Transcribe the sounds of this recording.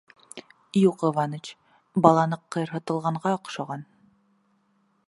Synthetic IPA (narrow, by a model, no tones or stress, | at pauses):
juqŏvɑnət͡ɕ | bɑlˠɑnɤqːɤ̆jɤɾɦɤ̆t̪ɤ̆lˠʁɑɴɢɑɒqʃɑʁɑn